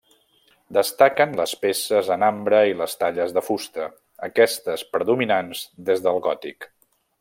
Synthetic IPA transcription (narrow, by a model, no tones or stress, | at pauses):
d̪əst̪akənləspesəzənambɾəiləst̪aʎəzðəfust̪ə | əkɛst̪əspɾəðuminanzd̪ezðəlˠɣɔt̪ik